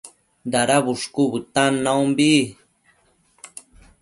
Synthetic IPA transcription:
d̪aɾaβuʂkuβɨt̪anːawmbi

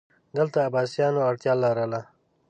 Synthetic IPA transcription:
d̪əlt̪aːbaːsjɑːnoɐɽt̪jɑːlaɾala

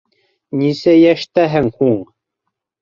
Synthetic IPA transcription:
nʲisæjæʃt̪æɦɘŋhuɴ

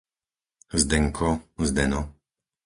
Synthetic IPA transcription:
zd̪ɛŋkʰɔzd̪ɛnɔ

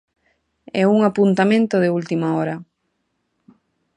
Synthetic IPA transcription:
ɛ̰uŋapunt̪amẽnt̪oðɪult̪imaɔɾa

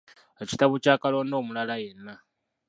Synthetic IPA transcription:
eci̥taβocaːkalo̞ːndo̞ːmulalajenːa

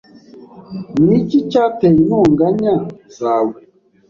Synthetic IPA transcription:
nicit͡ʃateinɔŋɡaɲazaːwe

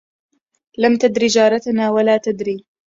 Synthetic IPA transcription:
lamt̪ad̪ɾiːd͡ʒaːɾˤɑt̪anaːwalaːt̪ad̪ɾiː

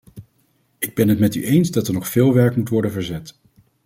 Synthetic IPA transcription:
ɪɡ̚bɛnɦətmɛty̰ʔejnzdɑtəɹnɔχfɪːlˠʋɛɹkmutʋɔɹdənvəɹzɛt

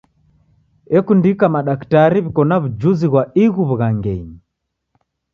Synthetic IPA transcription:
ɛkundikamaɗaktaɾiβikɔnaβud͡ʒuziɣwaiɣuβuɣaŋɡɛɲi

